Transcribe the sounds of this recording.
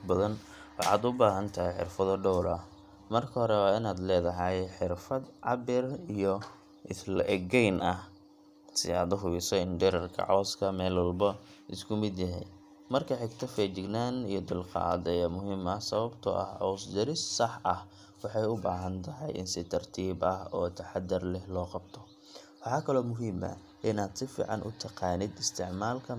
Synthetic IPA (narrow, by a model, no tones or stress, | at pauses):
bɐðɐn | wɑ̰ħɑ̰ːd̪ʊbaːɦɐnt̪ʰɐɦɛjħɪ̰rfɐðɐɖɔwɾɐh | mɐrkʰɐɦɔɾɛwɑːɪnaːd̪lɛːðɐɦɐjħɪrfɐd̪ʕɑbɪrijɔ | ʔɪtlɐʔɛɡɛjnʔɐh | sɪ̰aːd̪ʊɦʊβɪsɔɪnɖɪɾɐrkʰɐ̰ʕɔːskʰɐmɛːlwɑlbɐɪskʰʊmɪd̪jɐɦɛj | mɐrkʰɐħɪɡt̪ʰɐfɛt͡ʃɪɡnaːnijɔd̪ʊlqɑ̰ːd̪ɛjɐmʊɦiːmɐhsɐβɐbt̪ʰɔ̰ʔɐ̰hʕɔːsd̪ɐɾɪsːɑħʔɐh | wɑħɑjʊbaːɦɐnt̪ʰɐɦɑ̰jɪ̰nsɪt̪ʰɐrt̪ʰiːbɐhɔːt̪ʰɐħɑd̪ɪrlɛhlɔːqɑb̥t̪ʰɔ | wɑħɑːkʰɐlɔːmʊɦiːmɐ̰ | ʔɪnaːd̪sɪfḭːʕɑnʔʊ̰t̪ʰɑqɑːnɪd̪ɪst̪ʰɪʕmaːlkʰɐ